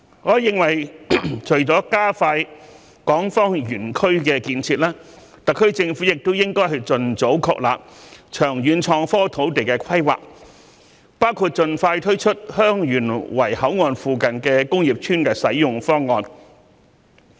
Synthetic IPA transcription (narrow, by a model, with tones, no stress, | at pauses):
ŋɔː˨˧jɪ˨ŋwɐ˨˩jt͡ʃʰɵ˨˩ɥt͡sɔː˨˥kaː˥faː˧j | kɔː˨˥ŋfɔː˥ŋjyː˨˩nkʰɵ˥ɥkɛː˧kiː˧nt͡sʰiː˧t̚laː˥ | t̪ɐ˨kʰːɵ˥ɥt͡sɪ˧ŋfuː˨˥jɪ˨k̚t̪o˥wjɪ˥ŋkɔː˥jhɐ˨jt͡sɵ˨nt͡so˨˥wkʰɔ̰ː˨˧k̚la̰ː˨p̚t͡ʃʰœː˨˩ŋjyː˨˧nt͡ʃʰɔː˧ŋfɔː˥t̪ʰo˨˥wt̪e˨jkɛː˧kʰɐ˥jwa̰ː˨˩k̚ | paː˥wkʰuː˨˧t̚t͡ʃɵ˨˧nfaː˧jt̪ʰɵ˥t͡ʃʰɵ˥t̚hœː˥ŋjyː˨˩nwɐ˨˩jhɐ˨˥wŋɔː˧nfuː˨˧kɐ˨nkɛː˧kʊ˥ŋjiː˨˩p̚t͡ʃʰyː˥nkɛ˧sɐ˨˥jjʊ˨ŋfɔː˥ŋɔː˨˧n